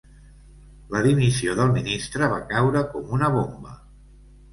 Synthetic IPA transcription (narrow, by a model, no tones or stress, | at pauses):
ləðimisioðəlˠminist̪ɾəβ̞akawɾəkɔmunəβombə